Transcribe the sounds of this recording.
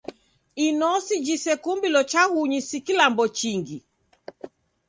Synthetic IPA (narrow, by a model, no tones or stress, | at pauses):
inɔsid͡ʒisɛkumbilɔt͡ʃahuɲisikilambɔt͡ʃiŋɡi